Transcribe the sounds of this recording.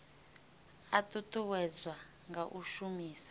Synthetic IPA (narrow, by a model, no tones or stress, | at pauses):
atutʼuwɛzwa | ŋɡaʔuʃumiːsḁ